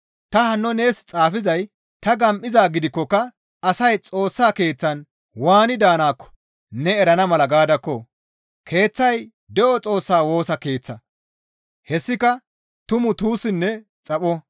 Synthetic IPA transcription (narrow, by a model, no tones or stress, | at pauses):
t̪ɐhɐnːɔne̞ːst͡sʼaːfɪzɐj | t̪ɐɡɐmʔɪzaːɡɪd̪ɪkːɔkːɐ | ɐsɐjt͡sʼo̞ːsːaːke̞ːt͡sːɐn | waːnɪd̪aːnaːkːɔ̥ | nɛɛɾɐnɐmɐlɐɡaːd̪ɐkːɔ | kʰe̞ːt͡sːɐj | d̪ɛʔɔt͡sʼo̞ːsːaːwo̞ːsɐke̞ːt͡sːɐ | hɛsːɪkɐ | t̪ʊmʊt̪uːsɪnːɛ | t͡sʼɐpɔ